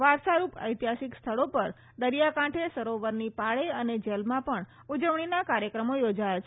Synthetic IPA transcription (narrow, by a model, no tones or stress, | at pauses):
ʋaɾsaɾupə̰jt̪iɦasikst̪ʰəɭopəɾ | d̪əɾjakãʈʰesəɾoʋəɾnipaɭeəned͡ʒelmãpəɳ | ud͡ʒəʋɳ̃inakaɾjəkɾəmojod͡ʒajat͡ʃʰ